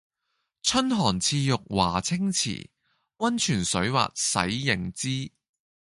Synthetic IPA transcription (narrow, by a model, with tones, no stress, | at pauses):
t͡ʃʰɵ˥nɦɔː˨˩nt͡sʰiː˧jʊ˨k̚waː˨˩t͡sʰɪ˥ŋt͡sʰḭː˨˩ | wɐ˥nt͡ʃʰyː˨˩nsɵ˨˥ɥwa̰ː˨t̚sɐ̰˨˥jːɪ˨˩ŋt͡siː˥